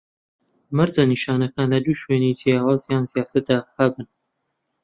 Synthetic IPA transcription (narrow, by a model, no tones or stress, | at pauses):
maɾzaniʃɑːnɐkaːnlɐd̪uːʃweːnit̪ʰijɑːwaːzjaːnzijɑːt̪ʰɨɾd̪aːhɐbɨn